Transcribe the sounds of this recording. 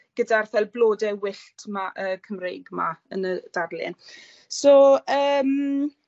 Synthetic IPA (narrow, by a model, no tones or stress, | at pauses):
ɡ̥ədarθɛlˠbloːdɛwɪɬtʰmaʔəːkʰəmrejɡma̰ə̰nəd̥arlɨ̰n | soəːm